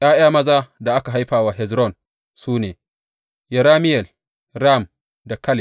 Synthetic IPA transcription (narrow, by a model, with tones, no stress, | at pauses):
ʔaː˦j̰aː˦mɐ˦zaː˦da˨ʔa˦ka˨ɦa˦jɸaː˨waː˨ɦɛ˨zɾɔ˦˨n | suː˦neː˨ | jɛ˨ɾaː˦mɪ˦jɛ˨l | ɾa˦˨m | da˨kɐ˦lɪ˨